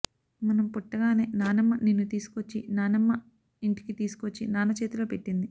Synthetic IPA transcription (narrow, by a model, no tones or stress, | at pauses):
mɐnɐmpuʈːɐɡaːne̞ːnaːnɐmːɐninːut̪iːsu̥kot͡ʃːinaːnɐmːɐ | iɳʈi̥kit̪iːsu̥kot͡ʃːinaːnɐt͡ʃeːt̪uloːpeʈːind̪i